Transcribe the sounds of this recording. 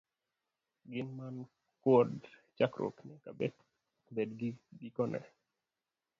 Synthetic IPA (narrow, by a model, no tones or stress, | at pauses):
ɡɪnman | kwɔdt͡ʃakɾʔo̰knikabɛ | bedɡiɡikɔnʔɛ̰